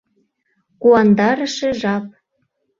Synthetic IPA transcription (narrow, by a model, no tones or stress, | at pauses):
kuɑnd̪ɑɾə̆ʃĕʒɑp̚